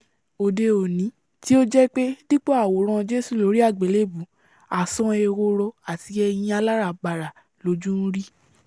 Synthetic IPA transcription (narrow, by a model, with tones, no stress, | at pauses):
o˨de˧o˨nĩ˨˦ | ti˦o˦d͡ʒɛ˦k͡pe˦di˦k͡po˦a˦˨wo˨˦ɾ̃ã˧d͡ʒe˦su˦˨lo˨˦ɾi˦a˦˨ɡ͡be˨le˦˨bu˨˦ | a˨sɔ̃˨˧e˧ɾo˧ɾo˧a˨ti˨˦ɛ˧j̃ĩ˧a˧la˦ɾa˦˨ɡ͡ba˨ɾa˨ | lo˨˦d͡ʒũ˦n̩˦ɾi˦